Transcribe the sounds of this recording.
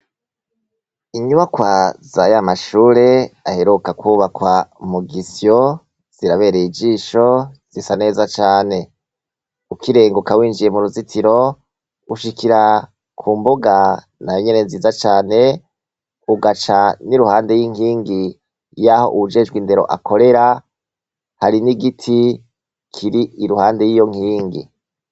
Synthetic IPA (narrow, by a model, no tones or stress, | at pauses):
iɲuβakwazaːjamaʃuːɾe̞aheɾukakwuːβakwamuɡisjo | z̥iɾaβe̞ːɾeid͡ʒiːʃo̞z̥isane̞ːzat͡ʃaːne̞ | ukiɾe̞ːŋɡokawiːnd͡ʒije̞muɾuzitiɾo̞ | uʃikiɾa | kʰuːmboɡa | najoɲene̞nziːzat͡ʃaːne̞ | uɡat͡ʃaniɾuhaːnde̞jiŋiːŋɡi | jaho̞̰ʔud͡ʒed͡ʒɡwinde̞ɾo̞̰ʔa̰kʰo̞ɾe̞ɾa | haɾiniɡitʰi | kʰiɾiʔiɾuhaːnde̞jijo̞ŋ̥hiːŋɡḭ